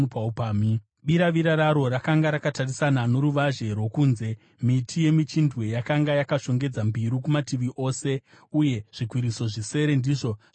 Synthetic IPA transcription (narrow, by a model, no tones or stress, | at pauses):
paupaːmi | ɓiɾaʋiɾaɾaɾo̞ɾakaŋɡaɾakatarisanano̞ɾuʋaʒe̞rwo̞kunze̞ | mitʰije̞mit͡ʃindʱwe̞jakaŋɡajakaʃo̞ŋɡe̞d͡zambiɾukumatiʋiʔo̞ːse̞ | uje̞ʐ̥ikwiɾiso̞ʐise̞ɾe̞ndiʐo̞